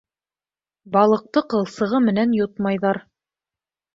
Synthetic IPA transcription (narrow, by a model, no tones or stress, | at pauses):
bɑlˠɤ̆q̚t̪ɤqɤ̆lˠsɤ̆ʁɤmɘ̆nænjot̪mɑjðɑɾ